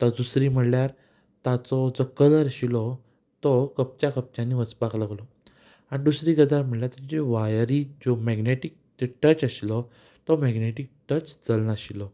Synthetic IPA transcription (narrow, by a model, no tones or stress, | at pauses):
t̪əd̪usɾiːm̤əɽljaɾ | t̪at͡sɔd͡zɔkələɾɕilɔ | t̪ɔkəp̚t͡ɕakəp̚t͡ɕãnːiʋət͡spaklaɡlɔ | añid̪usɾiːɡəd͡zaɾm̤əɽljaɾt̪ad͡ʑiʋajɾiːd͡zɔmɛɡneʈik̚t̪eʈət͡ɕəɕilɔ | t̪ɔmɛɡneʈik̚ʈət͡ɕd͡zəlnaɕilɔ